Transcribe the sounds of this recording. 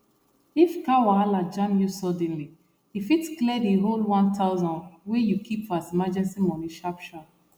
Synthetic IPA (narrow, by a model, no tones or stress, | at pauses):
ifkawaalad͡ʒãnjusɔdɛ̃nli | ifitklɛdiɦolwãntʰaʊzãnwejukʰipfɔazimad͡ʒɛ̃nsimɔ̃niʃapʃɔ